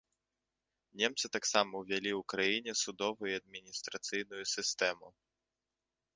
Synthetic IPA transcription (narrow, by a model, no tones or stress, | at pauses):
nʲemt̪sɨt̪aksamɐwvʲalʲiwkɾajinʲɛsud̪ɔvujuɐd̪̚mʲinʲist̪ɾat̪sɨjnujusʲɨst̪ɛmu